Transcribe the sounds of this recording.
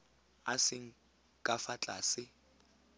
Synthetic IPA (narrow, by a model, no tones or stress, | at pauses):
asɪŋ̩ | kʼafat͡ɬʼaːsɪ